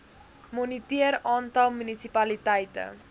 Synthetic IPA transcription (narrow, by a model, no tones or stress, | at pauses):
monitiərɑːntɐlˠmynisipɐlitɛjtə̰